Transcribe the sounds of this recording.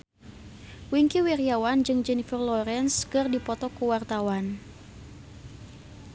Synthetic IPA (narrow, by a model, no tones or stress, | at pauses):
wiŋkiwirjawand͡ʒɨŋd͡ʒɛnifərlɔɾɛnskɨrdipɔt̪ɔkuwart̪awan